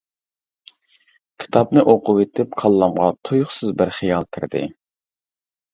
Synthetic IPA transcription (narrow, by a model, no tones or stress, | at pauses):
kʲʰi̥t̪ʰɑpnɨʔoqʊwet̪ʰɪp̚kʰɑlˠːɑmʁɑt̪ʰujʊχsɨzbɪɾχijɑlˠkʲʰɪɾd̪ɪ̰